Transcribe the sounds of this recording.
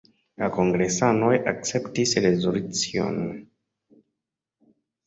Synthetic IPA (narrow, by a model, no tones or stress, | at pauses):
lako̞ŋɡɾe̞sanojak̚t͡se̞ptisɾezolut͡sio̞̰n